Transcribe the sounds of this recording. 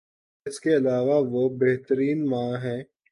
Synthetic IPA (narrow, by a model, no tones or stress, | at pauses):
ɪskeɐlaːʋaʋobeɦt̪əɾiːnmãːɦɛ̃ː